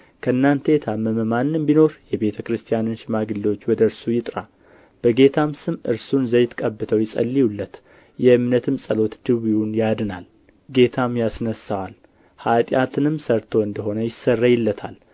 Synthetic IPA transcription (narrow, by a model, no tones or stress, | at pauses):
kʰəɨnːant̪ʰəjt̪ʰaməməmanɨmbino̞ɾjɛbe̞t̪ʰəkɾɨst̪ʰijanɨnʃɪmaɡɨlːo̞t͡ʃːwɔd̪əɾsujɪt̪ʼɾa | b̥əɡe̞t̪ʰamsɨmʔɨ̰ɾsunzəjɪt̪kʼəbːɨt̪ʰəwjɛsʼə̰lːijulːət̪ | jɛɨmnət̪ʰɨmsʼəlo̞t̪d̪̥ɨβiunjad̪ɨna̰l | ɡe̞t̪ʰamjasnəsawal | hat̪ʼjat̪ʰɨnɨmsəɾt̪ʰo̞ɨnd̪əɦo̞nəjɪsːərːajɪlːət̪ʰal